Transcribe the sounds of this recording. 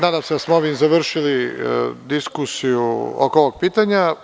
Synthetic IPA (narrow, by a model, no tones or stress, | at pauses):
naːd̪amse̞d̪asmooʋimzaʋr̩ʃilid̪iskusijuo̰koʋoɡ̚piːt̪aɲa